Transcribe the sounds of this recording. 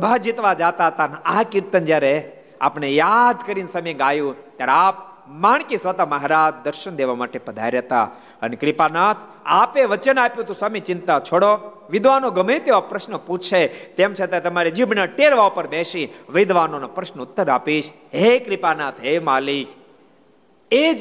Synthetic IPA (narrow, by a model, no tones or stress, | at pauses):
bʱad͡ʒit̪ʋad͡ʒat̪aɦət̪anakɪɾt̪ənd͡ʒjaɾe | a̰ːpnejad̪ʱkəɾinsəmeɡajũt̪jaɾeap̚ | maːɳ̃kisʋət̪amɐɦaɾad͡ʒd̪əɾʃənd̪eʋamaːʈepəd̪ʱa̰ɾjət̪a̰ | ənekɾɪpanat̪ʰ | apeʋət͡ʃənaːpjũt̪ũsamit͡ʃɪ̃nt̪at͡ʃʰoɽo | ʋɪd̪ʋanoɡəmet̪eʋapɾəʃnəput͡ʃʰʃet̪emt͡ʃʰet̪at̪əmaɾed͡ʒibnəʈeɾʋapəɾbeʃiʋɪd̪ʋanonapɾəʃnəʊt̪ːəɾaːpiʃ | ɦekɾɪpanaːt̪ʰɦemaːlik | ed͡ʒ